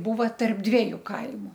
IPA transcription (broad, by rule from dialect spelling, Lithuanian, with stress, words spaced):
ˈbuːʋɐ tɐrp ˈdʲʋʲiɛjʊ ˈkɐɪmʊ